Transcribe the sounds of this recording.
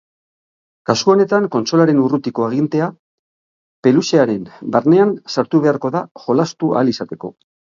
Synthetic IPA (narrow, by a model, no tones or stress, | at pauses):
kaskuo̞ne̞t̪aŋko̞nt͡ʃo̞laɾe̞nurut̪iko̞aɣ̞int̪e̞a | pe̞luseaɾe̞nbaɾne̞ansaɾt̪uβe̞aɾko̞ðaʝo̞last̪ua̰lisat̪e̞ko̞̰